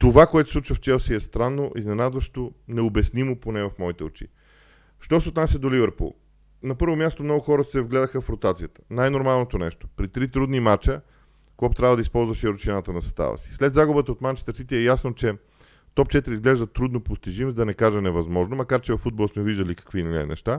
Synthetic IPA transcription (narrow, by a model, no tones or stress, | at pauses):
t̪ovakoɛt̪o̥sˠut͡ʃvɐft͡ʃɛlˠsiɛst̪ɾanːoʔiznɛnad̪vɐʃt̪onɛobɛsnimʊponɛvɐfmɔit̪ɛo̰t͡ʃḭ | ʃt̪ɔsɛot̪nasʲəd̪olivɛɾpṵlˠ | nɐpɤɾvomʲjast̪omnɔɡʊxɔɾəsɛvɡlɛd̪əxəfɾot̪at̪sijət̪ə̥najnoɾmalˠnot̪onɛ̰ʃt̪o̥pɾit̪ɾit̪ɾud̪nimat͡ʃə | koɔpt̪ɾavəd̪əispɔlˠzvɐʃɛiɾʊt͡ʃinat̪ənɐsɐst̪a̰və̰si̥slɛd̪zaɡʊbət̪əot̪mant͡ʃɛ̥st̪ɾsit̪ɛːjasnot͡ʃɛ | t̪ɔp̚t͡ʃɛt̪iɾizɡlɛʒd̪ət̪ɾud̪nopʊst̪iʒimzd̪ɐnɛkaʒənɛvɐzmɔʒnomɐkaɾt͡ʃɛvɐfːud̪̚bolˠsmɛviʒd̪ɐlikɐ̥kvinlʲiɛ̰nɛ̰ʃt̪a